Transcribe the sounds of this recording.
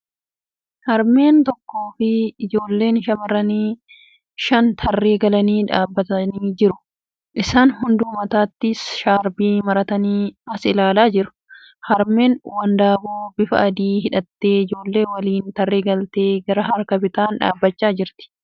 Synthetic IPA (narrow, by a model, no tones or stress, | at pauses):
hɐɾme̞ːnt̪ɔkːo̞ːfɪɪd͡ʒo̞ːlːe̞ːnʃɐmɐɾɐniː | ʃɐnt̪ʰɐrːe̞ːɡɐlɐniːᶑaːbːɐt̪ɐniːd͡ʒɪɾʊ̥ | ʔɪsaːnhʊnd̪uːmɐt̪aːt̪ːɪsʃaːɾbiːmɐɾɐt̪ɐniːɐsɪlaːlaːd͡ʒɪɾʊ̥ | hɐɾme̞ːnwɐnd̪aːboːbɪfɐ̰ʔɐd̪iːhɪᶑɐt̪ːe̞ːɪd͡ʒo̞ːlːe̞ːwɐliːnt̪ɐrːeːɡɐlt̪e̞ːɡɐɾɐɦɐɾkɐpɪt̪aːnᶑa̰ːbːɐt͡ʃːaːd͡ʒɪɾt̪ɪ̥